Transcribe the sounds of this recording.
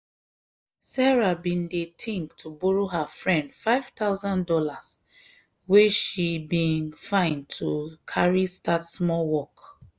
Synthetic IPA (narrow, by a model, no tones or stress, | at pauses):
sɛɹabĩndetʰĩŋktʰubuɹoɦafɹɛ̃ndfaɪv̥taʊzãndɔlas | weʃibĩnfãɪ̃ntʰukʰaɹistʰatsmɔlwɔk